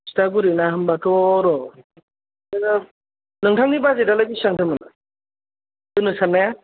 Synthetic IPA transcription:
staɡuɾinaɦɯmbatʰɯɾɔ | lɯŋtʰaŋnibazedalajbisaŋtʰɯmɯna | tɯnɯsanːaja

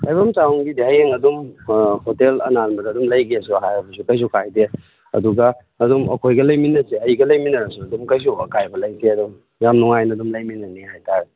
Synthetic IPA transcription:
lajbɐmt͡ʃawŋɡideɦajheŋɐdumhotelɐ̰nanmbɐdɐːdumlɐjɡesuɐɦajɐbʰusukɐjs̬ukajde | ɐ̰duɡɐː | dumɐ̰kʰojɡɐlɐjminɐseɐjɡɐlɐjminɐɾɐsuɐdumkɐjs̬uɐ̰kajbɐlɐjdeɐdum | jamnuŋajnɐdumlɐjminɐnihajtaɾ

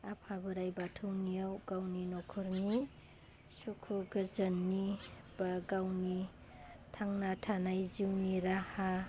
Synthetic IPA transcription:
apʰabɯɾajbatʰɯwnijawɡ̥awninɔkʰɔɾni | sukʰuɡɯzɐnːi | b̥aɡawni | tʰaŋnatʰanajziwniɾaha

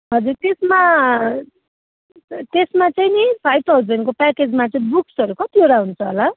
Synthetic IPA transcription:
ɦʌd͡zurt̪esma | t̪esmat͡sʌjnipʰajb̚t̪ʰawd͡zʌnkopaked͡zmat͡sʌĩbuksʌɾukʌt̪ioɾaɦunt͡sʰʌɦola

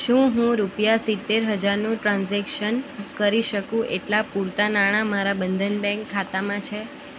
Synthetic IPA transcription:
ʃũɦũɾupjasit̪ːeɾɦəd͡ʒaɾnũʈɾãnzɛkʃənkəɾiʃəkũʔeʈlapuɾt̪anaɽ̃amaɾabənd̪ʱənbɛ̃ŋkʰːat̪amãt͡ʃʰe

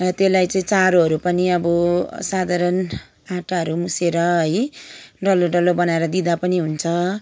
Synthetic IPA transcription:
t̪elajt͡sʌĩt͡saɾoɦʌɾupʌniʌbʌsad̪ʱaɾʌn | aʈaɦʌɾumuseɾʌɦʌjɖʌloɖʌlobʌnaeɾʌd̪id̪apʌniɦunt͡sʰʌ

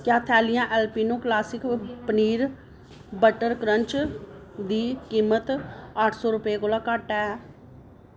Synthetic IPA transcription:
kjaːt̪ʰɛːlijãːʔɛːlpiːnõːklaːsɪkpəniːɾ | bəʈəɾkɾəɲt͡ʃ | d̪iːkiːmət̪əʈʰsɔːɾʊpeːkoːlãːkaːʈːɛː

